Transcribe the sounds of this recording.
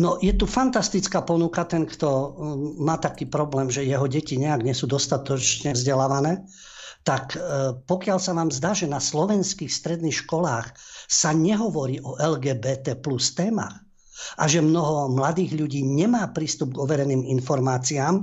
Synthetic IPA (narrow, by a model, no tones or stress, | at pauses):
nɔjɛt̪ufant̪ast̪it͡skaːpɔnukat̪ɛnkt̪ɔmaːt̪akiːpɾɔblɛːmʒɛjɛɦɔɟɛciɲɛaɡɲɛsud̪ɔst̪at̪ɔt͡ʃɲɛvzɟɛlaːʋanɛː | t̪akpɔkɪalsaʋaːmzd̪aːʒɛnaslɔʋɛnskiːxst̪ɾɛd̪nixʃkɔlaːxsaɲɛɦɔʋɔɾiːʔɔʔɛlɡɛːbɛːt̪ɛːplust̪ɛːma̰ːx | aʒɛmnɔɦɔmlad̪iːɣʎuɟiːɲɛmaːpɾiːst̪ub̚ɡɔʋɛɾɛniːminfɔɾmaːt͡siaːm